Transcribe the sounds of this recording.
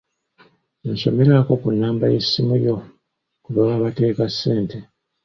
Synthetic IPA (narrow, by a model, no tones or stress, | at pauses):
nso̞̰me̞ɾako̞kunːaːmbajesːimujo̞ | kuβoβaːβate̞ːkasːe̞ːnte̞